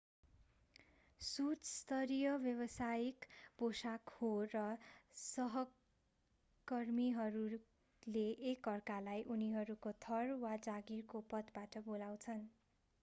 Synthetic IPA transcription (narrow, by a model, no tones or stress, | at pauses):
sut͡sst̪ʌɾijʌbjʌβʌsajikbosakhorʌsʌɦʌ | kʌrmiɦʌɾu | leʔekːʌrkalajʔuniɦʌɾukot̪ʰʌrwad͡zaɡirkopʌt̪baʈʌbolaw̃t͡sʰʌn